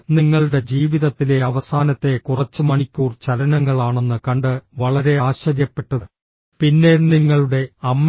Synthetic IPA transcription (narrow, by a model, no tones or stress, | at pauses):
niŋːɐɭuɽe̞d͡ʑiːʋiðɐt̪ːile̞ɐʋɐsaːnɐt̪ːe̞kurɐt͡ɕːɨmɐɳikʲːuːrt͡ɕɐlɐnɐŋːɐɭaːɳe̞nːɨkɐɳɖɨʋɐɭɐɾe̞aːɕɐɾjɐpːe̞ʈːɐðɨ | pinːe̞niŋːɐɭuɽe̞ɐmː